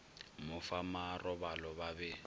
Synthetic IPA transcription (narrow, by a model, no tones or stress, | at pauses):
mʊfamarɔbalɔbabɛ